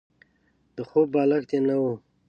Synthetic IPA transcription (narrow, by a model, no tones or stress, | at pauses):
d̪̥əxobbɑːlakt̪emnawu